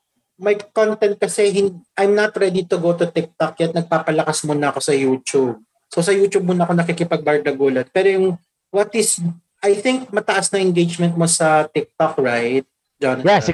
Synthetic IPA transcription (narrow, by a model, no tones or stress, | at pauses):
mɐjkont̪ɛnt̪̚kɐsɛɦɪnʔajmnɐt̪ɹɛd̪it̪ʊɡowt̪ʊt̪ɪk̚t̪ok̚kːɐjat̪nɐɡ̚paːpɐlɐkɐsmʊnɐɐko̞sɐjuːt͡ʃub̚ | sosɐjuːt͡ʃub̚mʊnɐko̞nɐkikɪpɐɡ̚bɐɹd̪ɐɡuːlɐn̚pɛːɾojʊŋ | wɐt̪ɪs | ʔajθɪŋk̚mɐt̪ɐʔasnɐ̃ŋʔɛnɡejd͡ʒmɛ̃nt̪̚mo̞sɐt̪ɪk̚t̪ok̚ɹajt̪̚ | d͡ʒonɐ